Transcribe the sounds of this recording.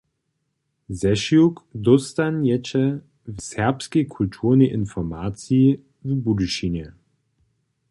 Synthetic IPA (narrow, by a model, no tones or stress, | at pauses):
zɛʃjukdʊstanjɛt͡ʃə | vsɛɐpskəkʰʊltʰuːʁnəʔɪnfɔmaːt͡si | vibudəʃinə